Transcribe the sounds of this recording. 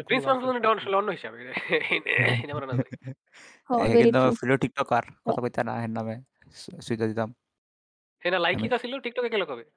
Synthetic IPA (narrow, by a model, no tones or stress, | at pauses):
pɾĩnsmanfud̪neɖawnaʃoleɔnːoɦiʃabenenamaɾana | ɦɔɦeed̪afʰiloʈik̚ʈɔkaɾkɔt̪ʰakojt̪ana̰ɦename | suit̪ad̪it̪am | henalajkit̪asiloʈik̚ʈɔkekelokɔbe